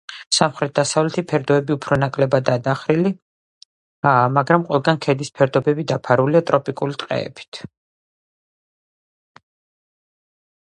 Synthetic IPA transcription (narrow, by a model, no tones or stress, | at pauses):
samχɾɛt̪̚ʰd̪̥asavlɛt̪ʰipʰɛɾd̪ɔɛbiupʰɾɔnakʼlɛbad̪aːd̪aχɾili | maɡɾamqʼwɛlˠɡankʰɛd̪ispʰɛɾd̪ɔbɛbid̪apʰaɾuliat̪ʼɾɔpʼikʼulit̪ʼqʼɛ̰ɛ̰bi̥t̪ʰ